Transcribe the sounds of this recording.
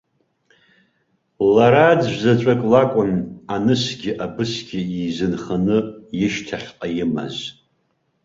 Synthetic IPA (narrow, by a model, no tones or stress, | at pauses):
laɾad͡zʒʷzat͡ʃʷʼakʼlakʷʼʊnanɨsɡʲɪʔabɨsɡʲɪizɨnχanɨjɪʃtʰaχʲqʼajɪma̰z